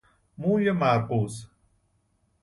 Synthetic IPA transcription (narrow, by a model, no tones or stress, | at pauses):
muːjɐmaːɾqoːs